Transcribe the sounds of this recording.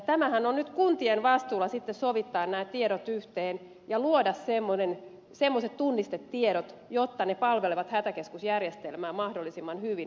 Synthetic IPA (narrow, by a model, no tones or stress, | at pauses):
t̪æmæhænonnyt̪kunt̪ienʋɑst̪uːlːˑɑsit̪ːessoʋit̪ːɑːnnæːt̪t̪ːieɾot̪yht̪eːn | jɑluodɑssemːonen | semːoset̪t̪unːist̪et̪tieɾot̪jot̪ːɑnepɑlʋeleʋɑt̪hæt̪ækeskusjærjest̪elmæːmɑhdolːisimːɑnhyʋin